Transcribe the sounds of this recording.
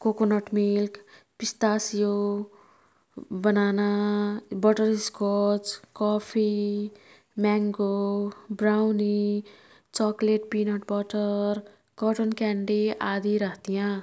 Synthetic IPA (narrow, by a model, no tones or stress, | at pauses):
kokonʌʈmilk | pist̪asijo | bʌnanabʌʈʌɾiskot͡skɔpʰi | maŋɡobɾawni | t͡sɔkleʈ̚pinɔʈbʌʈʌɾ | kʌʈonkɛɳɖiad̪iɾʌɦt̪ijã